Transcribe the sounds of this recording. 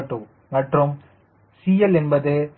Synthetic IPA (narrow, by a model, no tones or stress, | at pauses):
ʈːɯ | mɐʈrɯm | sijɛlɛnbɐðɯ